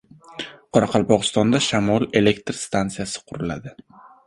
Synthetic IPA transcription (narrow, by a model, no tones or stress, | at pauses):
qʰɒɾɑqʰɑlˠpɒʁɨst̪ɒnd̪aʃamɒlˠe̞le̞kt̪ɾst̪ant̪sijasɪ̥qʰʊɾɪla̰d̪ɪ